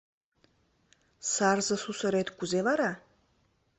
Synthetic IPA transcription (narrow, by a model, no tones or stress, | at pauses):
sarzɐsusaɾejtʰɡʷʊzelaɾa